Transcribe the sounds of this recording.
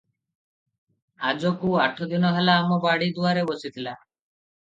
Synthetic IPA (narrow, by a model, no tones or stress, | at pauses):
ad͡ʒokuaʈʰɔd̪inɔɦɛlaːmɔbaɽid̪uaɾebɔsit̪ʰila